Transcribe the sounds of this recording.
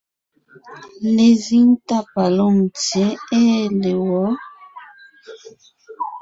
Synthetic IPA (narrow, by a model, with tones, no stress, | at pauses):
le˨zi˦n˦ta˦˨pa˨lo˦˨m˨te˨˦e˦˨le˨wɔ˨˦